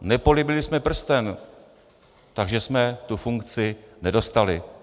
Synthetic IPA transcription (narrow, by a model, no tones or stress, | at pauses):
nɛpo̞lɪbɪlɪsmɛpr̩st̪ɛn | t̪aɡʒɛsmɛt̪ufuŋkt͡sɪnɛdo̞st̪alɪ